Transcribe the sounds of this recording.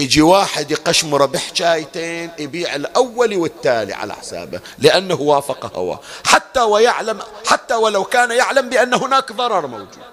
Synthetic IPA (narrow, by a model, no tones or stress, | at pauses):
jɪd͡ʒiwaːħɪd̪jqaʃmʊɾˤɑbɪħt͡ʃaːjt̪eːnʔɪbiːʕɪlʔawːaliwɪt̪ːaːlḭʕa̰la̰ħsa̰ːba̰ | lɪʔanːahwaːfɑqɑha̰wa̰ːħat̪ːawajaʕlamħat̪ːawalawkaːnjɪʕlambɪʔanːahʊnaːkðˤɑɾˤɑɾˤmawd͡ʒṵːd̪̥̚